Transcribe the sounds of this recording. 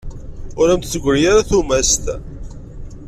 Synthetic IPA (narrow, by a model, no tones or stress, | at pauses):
ʊɾæmt̪t͡sːəɡʷəɾjaɾaθumæst̪